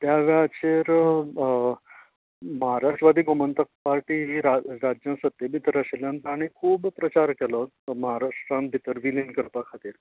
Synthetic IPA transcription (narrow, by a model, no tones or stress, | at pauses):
t̪jaʋɛət͡ɕeɾ | məɦaɾaʂʈɾəʋad̪ʱiːɡomənt̪ək̚paɾʈiːɦiɾaɾad͡ʑjə̃sət̪ːjəbʱit̪əɾəsljãnt̪aɽ̃ikʰuːbpɾət͡ɕaɾkɛlɔ | məɦaɾaʂʈɾãn̚bʱit̪əɾʋilinkəɾpakʰat̪iːɾ